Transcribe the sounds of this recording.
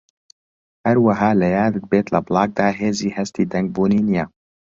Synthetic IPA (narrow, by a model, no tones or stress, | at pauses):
hɛɾwaɦɑːlɛjaːd̪ɨd̪̚beːt̪ləblɑːk̚d̪aːɦeːziːhɛst̪iːd̪ɛŋɡ̚buːniːnija